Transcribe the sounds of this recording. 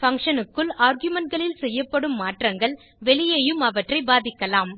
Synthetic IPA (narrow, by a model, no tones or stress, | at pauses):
fɐŋkʂɐnɯkːɯlaːɾɡjʊmɐnʈɡɐɭɪlsɛjːɐpːɐɽɯmːaːʈrɐŋɡɐɭ | ʋɛɭɪjɐjɯmɐʋɐʈrɐɪbaːðɪkːɐlaːm